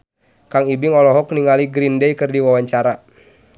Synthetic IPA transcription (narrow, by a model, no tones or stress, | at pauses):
kaŋibiŋɔlɔɦɔk̚niŋaliɡɾindɛjkɨrdiwawaɲt͡ʃaɾa